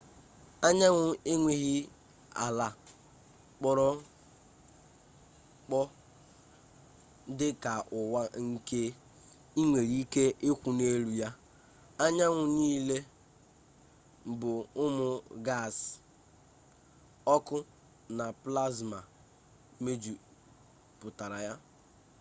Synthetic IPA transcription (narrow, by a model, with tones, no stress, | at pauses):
a˦ɲa˦ŋʷʊ˨e˦ŋʷe˦ɣi˦ | a̰˨la˨ | k͡pɔ˦ɾɔ˦ | k͡pɔ˦ | dɪ˦ka˨ʔʊ˨wa˦ŋ̩˦ke˦ | i˦ŋʷe˨ɾi˦ke˦ʔe˦kʷu˨ne˦ɾu˨ja˦ | a˦ɲa˦ŋʷʊ˨niː˦le˦ | m̩˨bʊ˨ʊ˦mʊ˨ɡa˦˨s | ɔ˦kʊ˦ | na˨pla˦zma˨ | me˦d͡ʒu˨ | pʊ˨ta˨ɾa˨ja˦